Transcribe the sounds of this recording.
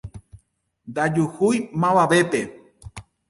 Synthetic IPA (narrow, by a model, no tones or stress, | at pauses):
nd̪ad͡ʒuhujmãβaʋe̞pe